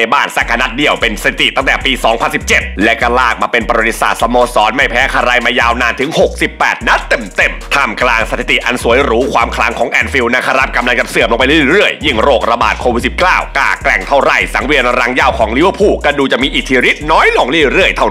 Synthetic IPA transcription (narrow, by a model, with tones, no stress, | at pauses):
baː˥˩nsa˧˩kʰːa˧na˦˥t̪̚di˧˩əwpe˧nsa˧t̪ʰi˨˩t̪i˨˩t̪a˥˩t̪ɛː˨˩piː˧sɔː˩˦ŋpʰa˧nsi˨˩p̚t͡ɕe˨˩t̪̚lɛ˦˥ka˧laː˥˩k̚maː˧pe˧npɾo˨˧˩i˧˥sa̰ː˨˩sa˧moː˧sɔː˨˦˥nma˥˩jpʰɛː˦˥kʰa˧ɾa˧jmaː˧jaː˧wnaː˧nt̪ʰɯ˩˦ŋho˨˩k̚si˨˩pːɛː˨˩t̪̚na˦˥t̪ːe˨˩mt̪e˨˩mt̪ʰaː˧˩mklaː˧ŋsa˧t̪ʰi˨˩t̪i˨˩ʔa˧nsu˨˩˦jɾuː˦˥kʰwaː˧mkʰla˦˥ŋkʰɔː˩˦ŋʔɛː˧nfi˧wna˧˩kʰa˧ɾa˦˥˩p̚ka˧mla˧ŋt͡ɕa˨˩p̚sɯ˨əmlo˧ŋpa˧jli˥˩ɾɯ˥˩əjːi˥˩ŋɾoː˥˩k̚ɾa˧ba̰ː˨˩t̪̚kʰoː˧wi˨˩si˨˩p̚kaː˥˩wka̰ː˨˩klɛ˨˩ŋt̪ʰa˥˩wɾa˧˩jsa˩˦ŋwi˧ən˧ɾa˧˥ŋjaː˧˥˩wkʰɔː˩˦ŋli˦˥wə˧˩pʰuː˧˩ka˧˥˩duː˧t͡ɕa˨˩ʔmiː˧ʔi˨˩t̪ʰːiː˧ɾi˦˥t̪̚nɔː˦˥jlo˧˩ŋli˥˩ɾɯ˥˩əjt̪ʰa˧˩w